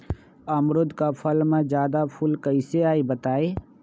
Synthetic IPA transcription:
əmɾʊd̪kapʰəlmẽd͡ʒjaːd̪apʰʊlkəɪseaːebət̪aːe

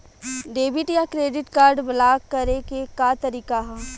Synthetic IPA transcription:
ɖeːbɪʈjakɾeːɖɪʈkaːɾɖbɐlaːkːɐɾekekaːt̪ɐɾiːkaɦɛ̃ː

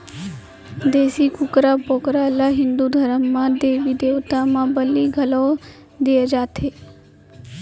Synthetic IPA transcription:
d̪eːsikʊkɾaːpoːkɾalaɦɪ̃nd̪uːd̪ʱəɾəmːãːd̪eːʋid̪eːʋt̪amãbəliːɡʱɐlɔː | d̪eːed͡ʒaːt̪ʰeː

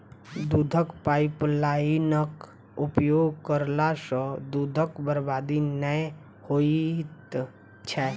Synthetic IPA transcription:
d̪ud̪ʱəkpaːɪplanək | upjoːɡkəɾlasə̃d̪ud̪ʱəkbəɾbaːd̪inə | hoit̪ | t͡ʃʰɛ

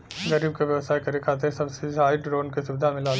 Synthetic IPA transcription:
ɡɐɾiːb̚kaʋjɐʋsaːikɐɾekʰaːt̪̬eɾsɐbsed͡ʒaːɪiɖɾoːnkisʊʋd̪ʱamɪ̃laːl

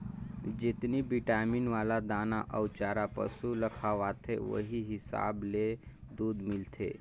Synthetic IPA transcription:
d͡ʒɪt̪nibiʈaminʋaːlad̪aːnaʔəwt͡ʃaːɾapə̰suləkʰaʋat̪ʰeʋə̰ɦiɦɪsa̰ːbled̪uːd̪mɪlt̪ʰḛ

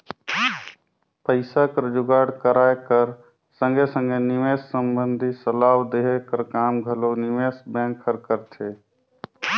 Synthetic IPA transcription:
pəɪsakəɾəd͡ʒʊɡaːɽkəɾaːekəɾ | sə̃ŋɡʱesə̃ŋɡʱenɪʋeːssəmbənd̪ʱisəlaːwd̪eɦekəɾkaːmɡʱəlonɪʋeːsbẽːŋkʰːəɾkəɾt̪ʰeː

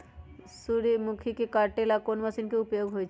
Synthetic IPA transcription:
suɾimukʰikekaʈelakonmasinkeupjoɡɦojt͡ɕʰ

